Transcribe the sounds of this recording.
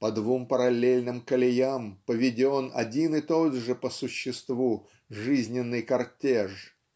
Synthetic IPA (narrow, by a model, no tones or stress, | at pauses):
pəd̪vumpəɾɐlʲelʲnɨmkəlʲɪjampəvʲɪdʲonɐ̰dʲinɨt̪o̞d̪ʐɨpəsʊɕːɪst̪vu | ʐɨzʲnʲɪnːɨjkɐrtʲeʂ